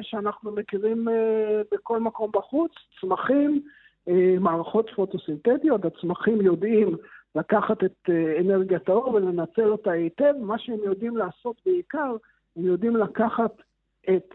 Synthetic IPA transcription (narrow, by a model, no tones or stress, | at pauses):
ʃeanaχnumekiʁimbeko̞lmako̞mbaχut͡st͡smaχim | emaːʁaχo̞t̪fot̪osint̪etjo̞tat͡smaχimjo̞dimlakaχat̪et̪eene̞ʁɡijataoʁvele̞nat͡se̞lo̞taete̞vmaʃeemjo̞dimlaːso̞t̪beikaʁ | hemjo̞d̪imlakaχat | ʔet̪